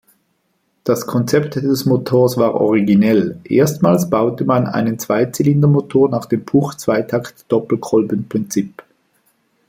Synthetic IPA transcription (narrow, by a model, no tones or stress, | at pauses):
d̥askʰɔnt͡sɛptd̥ɛsmotʰoːɐsv̥aːʁʔɔ̰ʁiɡinɛlʔḛːɐstmaːlsb̥aʊtəmanʔa̰ɪnənt͡sv̥aɪt͡sɛlɪndɐmotʰoːɐnaːχd̥eːmpʰuːχt͡sv̥aɪtʰaktd̥ɔpl̩kʰʁɔlbənpʁ̥ɪnt͡sip